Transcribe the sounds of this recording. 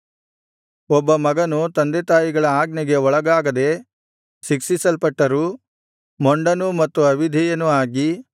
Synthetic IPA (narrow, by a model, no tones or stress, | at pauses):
ɔbːɐmɐɡɐnut̪ɐnd̪et̪aːjiɡɐɭɐaːɡnɛɡe̞ɔɭɐɡaːɡɐd̪e̞ | ʃiksisɐlpɐʈːɐɾu | mɔɳɖɐnumɐt̪ːuɐʋid̪ʱɛjɐnuaːɡi